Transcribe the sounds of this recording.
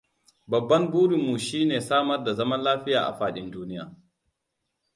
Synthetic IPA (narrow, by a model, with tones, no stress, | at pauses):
bɐ˨bːɐ˦ŋbuː˦ɾu˨mːu˨ʃiː˦neː˨saː˦mɐ˦rda˨zɐ˦mɐ˦nlaː˦ɸɪ˦ja̰ː˨ʔa̰˨ɸaː˦ɗɪ˦nduː˦nɪ˦ja̰ː˨